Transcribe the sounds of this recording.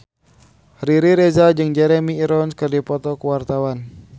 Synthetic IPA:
riɾiɾezad͡ʒɨŋd͡ʒɛɾɛmiːɾɔnskɨrdipɔt̪ɔkuwart̪awan

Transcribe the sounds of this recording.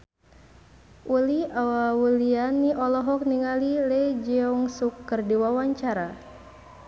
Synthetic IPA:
ʔuliawawulianːiʔɔlɔɦɔk̚niŋalilɛd͡ʒiɔŋsukːərdiwawaɲt͡ʃaɾa

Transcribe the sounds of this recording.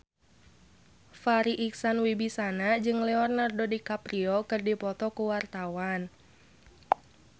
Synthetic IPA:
faɾiʔiksanwibisanad͡ʒɨŋlɛɔrnardodikapɾiɔkɨrdipɔt̪ɔkuwart̪awan

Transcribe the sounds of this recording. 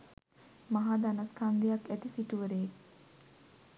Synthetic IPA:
maɦaːd̪anɐskʰaŋɡ̪ejakæt̪isiʈuʋəɾejek

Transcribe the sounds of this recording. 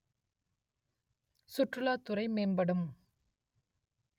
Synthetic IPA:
sʊʈrɯlaːt̪ːʊɾɐɪmeːnbɐɽɯm

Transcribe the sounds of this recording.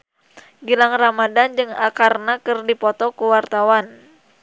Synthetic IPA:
ɡilaŋramadand͡ʒɨŋa̰karnakɨrdipɔt̪ɔkuwart̪awan

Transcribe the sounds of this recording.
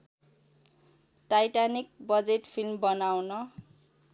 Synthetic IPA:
ʈajʈanik̚bʌd͡zeʈpʰilmbʌnawnʌ

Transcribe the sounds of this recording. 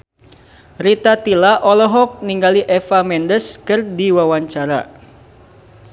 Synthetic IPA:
ɾit̪at̪ilaʔɔlɔɦɔk̚niŋɡaliʔɛfamɛndəskɨrdiwawaɲt͡ʃaɾa

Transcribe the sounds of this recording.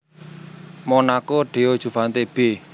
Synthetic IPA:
mɔnakoɖ̥e̤ɔd̥ʒ̥ṳfant̪eb̥e

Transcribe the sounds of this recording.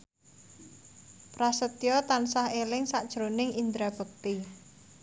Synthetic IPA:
pɾasət̪jɔt̪ansahelɪŋsaʔd̥ʒ̥ɾonɪŋind̪ɾab̥ək̚t̪i

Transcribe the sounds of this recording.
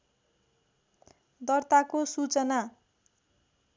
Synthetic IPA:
d̪ʌrt̪akosut͡sʌna

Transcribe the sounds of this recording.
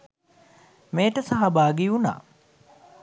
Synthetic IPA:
meːʈəsaɦabaːɡiuna̰ː

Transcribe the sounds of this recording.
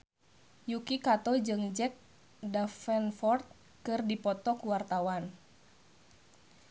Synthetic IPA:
jukikat̪ɔd͡ʒɨŋd͡ʒɛk̚ | dafɛnfɔrt̪̚ | kɨrdipɔt̪ɔkuwart̪awan

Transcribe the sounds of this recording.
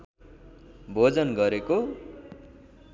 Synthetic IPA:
bʱod͡zʌnɡʌɾeko

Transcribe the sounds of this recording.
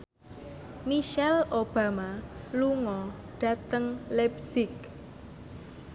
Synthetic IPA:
miʃɛlʔob̥ä̤maluŋɔ | ɖ̥ä̤t̪əŋlɛpsɪk̚

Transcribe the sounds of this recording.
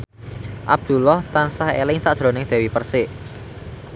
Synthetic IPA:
ʔab̚d̪̥ṳlɔht̪ansahḛlɪŋsaʔd̥ʒ̥ɾo̤nɪŋd̪̥ɛ̤wipərsɪʔ

